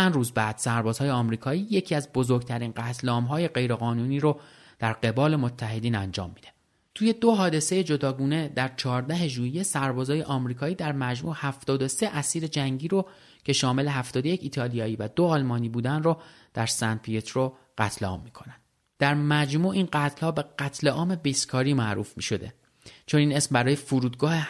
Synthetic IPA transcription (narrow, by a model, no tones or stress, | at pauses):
ænruːzbæːd̪̥sæɾbɒːzhɒːjeɒmɾiːkʰɒːiːje̞cʰiæzbozo̞ɾɡt̪ʰæɾiːnɢæt̪ʰleɒːmɦɒːje̞ɢe̞jɾeɣɒːnuːniːɾo | d̪̥æɾɢe̞bɒːle̞mot̪ʰːæɦe̞d̪iːnænd͡ʒɒ̰ːmːiːd̪̥e | t̪ʰuːje̞d̪oɦɒːd̪e̞se̞je̞d͡ʒo̞d̪ɒːɡuːne̞d̪æɾt͡ʃʰɒːɾd̪æɦe̞ʒuːjesæɾbɒːzɒːjeʔɒːmɾiːkʰɒːiːd̪æɾmæd͡ʒmuːhæft̪ɒːd̪o̞se̞ʔæsiːɾe̞d͡ʒæŋɟiːɾo | cʰe̞ʃɒːme̞le̞ɦæft̪ɒːd̪o̞je̞cʰiːt̪ʰɒːlijɒːiːvæd̪oɒːlmɒːniːbuːd̪ænro | d̪̥æɾsænpʰiet̪ʰro | ɢ̥æt̪ʰleɒ̰ːmːiːkʰonænd̪̥ | d̪̥æɾmæd͡ʒmuːʔiːnɢæt̪ʰlhɒːbe̞ɡæt̪ʰle̞ʔɒːme̞biːskʰɒːɾiːmæʔɾṵːfmiːʃo̞d̪e̞̰ | t͡ʃʰo̞niːne̞smbæɾɒːje̞fuɾuːd̪̚ɡɒːhe